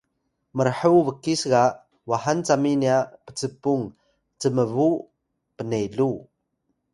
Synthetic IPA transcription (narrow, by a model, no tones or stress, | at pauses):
məɾħəwvəkːisɣa | waɦant͡saminiapə̥t͡səpuŋ | t͡səməvu | pənejɮu